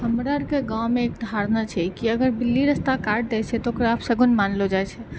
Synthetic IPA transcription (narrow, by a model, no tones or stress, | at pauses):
ɦəmɾaɾkeɡãwmeːk̚d̪ʱaɾnat͡ʃʰɛkiəɡəɾbilːiɾəst̪akaɾɖ̚d̪ɛt͡ʃʰɛt̪ɔokɾaapʰsəɡunmanlod͡ʒat͡ʃʰɛ